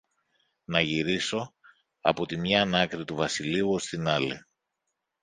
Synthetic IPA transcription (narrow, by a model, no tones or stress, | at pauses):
nɐʝiɾiso̞ | ɐ̰po̞t̪imɲɐːnɐkɾit̪uvɐsiliuo̞st̪inɐli